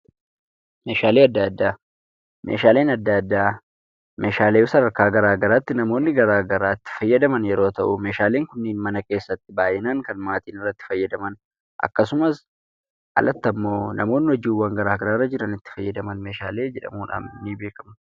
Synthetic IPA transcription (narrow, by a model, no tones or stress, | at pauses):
me̞ːʃaːleːɐd̪ːɐd̪ːaː | mḛːʃaːle̞ːnɐd̪ːɐd̪ːaː | meːʃaːleːʊsɐdɐɾkaːɡɐɾaːɡɐɾaːt̪ːɪnɐmo̞ːnːɪɡɐɾaːɡɐɾaːt̪ːɪ̥fɐjːɐd̪ɐmɐnjɛɾoːt̪ɐʔʊme̞ːʃaːle̞ːŋkʊnːeːnmɐnɐke̞ːsːɐt̪ːɪbaːjɪnaŋkɐnmaːt̪iːnɪrːɐt̪ːɪ̥fɐjːɐd̪ɐmɐn | ʔɐ̰kːɐsʊmɐs | ɐ̰lɐt̪ːɐmːo̞ːnɐ̰mo̞ːnːɪhɔd͡ʒiːwːɐŋɡɐɾaːɡɐɾaːrːɐd͡ʒɪɾɐnɪt̪ːɪ̥fɐjːɐd̪ɐmɐnme̞ːʃaːle̞ːd͡ʒɛᶑɐ̰muːᶑa̰ːmniːbe̞ːkʼɐmʊ